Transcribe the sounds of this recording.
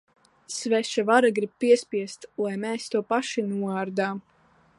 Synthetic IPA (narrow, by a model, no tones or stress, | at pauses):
svɛʃavaɾaɡɾib̚piɛsʲpʲiɛst̪lˠajmɛːst̪uɔpaʃinuɔaːɾd̪aːm